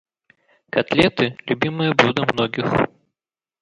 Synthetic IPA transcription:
kat̪lʲɛt̪ɨlʲubʲimɨjɐblʲud̪ɐmnɔɡʲix

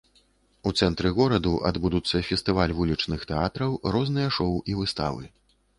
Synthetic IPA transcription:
ut̪sɛnt̪ɾɨɣɔɾɐd̪uʔa̰d̪bud̪ut̪sːɐfʲɛst̪ɨvalʲvulʲit͡ʂnɨxt̪ɛat̪ɾɐwɾɔznɨjɐʂɔwivɨst̪a̰vɨ̰

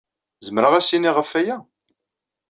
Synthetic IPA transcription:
zəmɾəʁæsiniʁəfːæjæ

